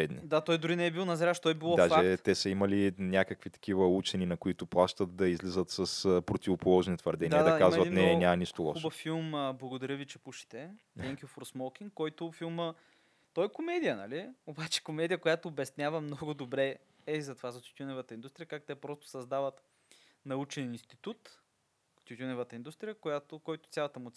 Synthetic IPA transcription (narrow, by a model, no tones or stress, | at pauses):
ɛd̪nid̪at̪ɔjd̪ʊɾinɛɛbilˠnɐzɾʲaʃt̪ɔibilˠɔdaʒfɛt̪ɛsɐimɐlinʲjakəkvit̪ɐ̥k̟ivəut͡ʃɛninɐkoit̪ʊplˠaʃt̪ət̪̚d̪ɐizlizət̪sɐspɾot̪ʲivopolˠɔʒnit̪vɐɾd̪ɛnʲiaɐd̪ɐakazvɐinɛnʲamɐniʃt̪olˠɔ̰xuʃbəfilˠmblˠɐɡod̪ɐɾʲəvit͡ʃɛpuʃɛ̥t̪ɛ | ɛŋkʲiofoɾsmɔkʲiŋkkːɔjt̪ʊfilˠmə | t̪ɔɛkomɛd̪ijənɐliobat͡ʃɛ̥komɛd̪ijəkojat̪oːbɛsnʲavəmnɔɡʊd̪obɾɛ | ɛzɐt̪ovazɐt̪ʲjut̪ʲunɛvət̪əindust̪ɾijəkakt̪ɛpɾɔst̪ʊ̥sɐzd̪avət̪ | nɐut͡ʃɛninst̪it̪ut̪ | t̪jut̪ʲunɛvət̪əind̪ust̪ɾijəkojat̪ʊkɔjt̪ʊ̥t̪sʲjalˠət̪əɛmʊt̪s